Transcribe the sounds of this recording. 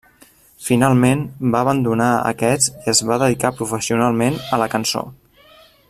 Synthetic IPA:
finalˠmenbaəβ̞ənd̪unaə̰kɛt͡siəzβaðəðikapɾufəsiunalˠmenələkənso̰

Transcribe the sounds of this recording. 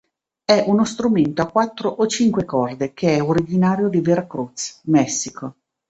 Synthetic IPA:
ɛʔunost̪ɾument̪oakːwat̪ːɾoʔot͡ʃiŋkwekɔrd̪ekʰeɛoɾid͡ʒinaːɾjod̪iveɾakɾut̪smɛsːikʰo

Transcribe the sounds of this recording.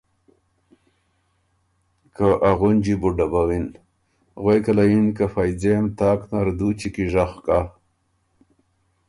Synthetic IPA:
kaʔaɣund͡ʒibuɖabawin | ɣwejkalainkafajd͡zemt̪aːknaɾd̪ut͡ʃikiʐaxka

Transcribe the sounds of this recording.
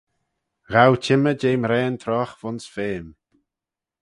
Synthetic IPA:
ɣawt͡ʃʰɪməd͡ʒeːmɾɛːnt̪ʰɾɔxv̥ʊnsfeːm

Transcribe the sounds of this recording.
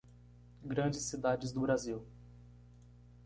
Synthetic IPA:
ɡɾɐ̃d͡ʒɪsːid̪ad͡ʒɪzd̪ʊbɾaziw

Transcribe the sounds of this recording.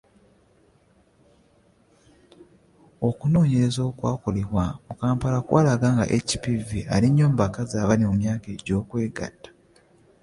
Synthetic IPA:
o̞kuno̞ːɲe̞ɾe̞zoːkwaːko̞leβwamukaːmpalakwa̰ːlaɡaːŋɡa̰ʔeci̥pivialiɲːoːmbakazaːβalimomjaːkeːɟo̞ːkwe̞ːɡa̰tːḁ

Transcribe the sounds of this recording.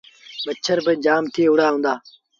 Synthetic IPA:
ɓət͡ʃʰəɾbɪd͡ʒaːmt̪ʰiːɦʊɽaːɦũːnd̪aː

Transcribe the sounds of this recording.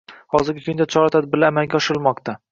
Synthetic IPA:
hɒzɪɾɡʲɪkʲʰʊnd̪at͡ʃʰɒɾat̪ʰad̪̚bɪlamaŋɡʲaɒʃɪɾɪlˠmɒqt̪ʰa

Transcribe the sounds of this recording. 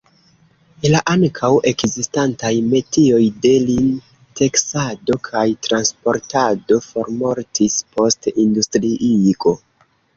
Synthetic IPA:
laʔaŋkʰawe̞kzistantajme̞tio̞jde̞lin | tʰe̞ksado̞kʰajtɾanspo̞ɾtado̞fo̞ɾmo̞ɾtʰispo̞stindustɾiʔiɡo̞

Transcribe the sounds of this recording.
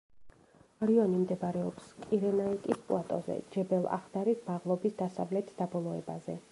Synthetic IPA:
aɾiɔnimd̪ɛbɾɛɔpskʼiɾɛnait̪ʼispʼlˠat̪ʼɔ̰zɛ̰d͡ʒɛbɛlˠa̰χd̪aɾismaʁlˠɔbisd̪asavlɛt̪ʰd̪abɔlˠɔɛbazɛ̰

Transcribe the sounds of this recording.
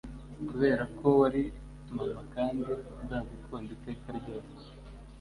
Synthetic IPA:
kuβe̞ːɾakʰo̞waɾi | tumamakaːndi | zaːzikoːndite̞ːkaɾɟoːse̥

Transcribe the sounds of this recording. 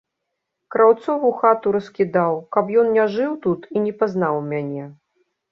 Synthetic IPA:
kɾawt̪sɔvuxat̪uɾɐskʲid̪awkapjɔnnʲaʐɨwt̪ut̪inʲɛpaznawmʲanʲɛ

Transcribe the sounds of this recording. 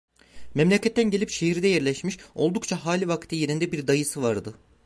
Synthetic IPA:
mɛmlʲecʰɛt̪ʰːænɟeipʃeɦiɾd̪ɛjɛɾlʲɛʃmiʃo̞lˠd̪ukt͡ʃʰaɦaːlʲivakt̪ʰije̞ɾind̪ɛbiɾd̪ajɯsɯvaɾd̪ɯ

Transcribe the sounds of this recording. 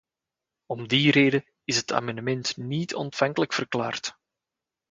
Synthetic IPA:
ɔmdiɾeːdə | ɪsɦətʰa̰ːmɑndəmɛntnitʰɔ̰ntfɑŋkələkfərkla̰ːrt

